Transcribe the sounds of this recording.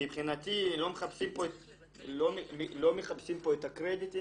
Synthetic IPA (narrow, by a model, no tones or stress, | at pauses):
mibχinat̪ilo̞meχapsimpoet | lomemlo̞meχapsimpo̞etakʁedit̪i